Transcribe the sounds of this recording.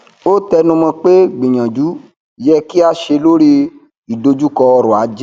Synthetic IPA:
o˦tɛ˧nũ˧mɔ̃˧k͡pe˦ɡ͡bĩ˨ɲã˨d͡ʒu˨˦˨ | jɛ˧ki˦a˦ʃe˧lo˦ɾi˦ | i˨do˧d͡ʒu˦kɔ˧ɔ˧ɾɔ̃˨a˨˦d͡ʒɛ˦

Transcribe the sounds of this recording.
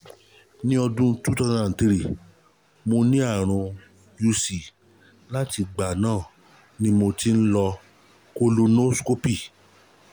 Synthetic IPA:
nĩ˦ɔ˧dũ˦tu˦tɔ˧nã˦˨n̩˨ti˧ɾi˨ | mo˧nĩ˦a˦˨ɾ̃ũ˧ | ju˧si˨ | la˦ti˧ɡ͡ba˨nãː˦˨ | nĩ˦mo˧ti˦n̩˦lɔ˧ | ko˦lo˧nõ˦sko˦pi˦˨

